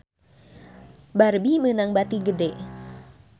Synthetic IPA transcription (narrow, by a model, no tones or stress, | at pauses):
barbimənaŋbat̪iɡədɛ